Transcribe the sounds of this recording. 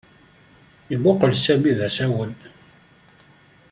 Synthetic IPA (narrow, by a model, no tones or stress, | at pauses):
əðoqəlsæmiðæsæwən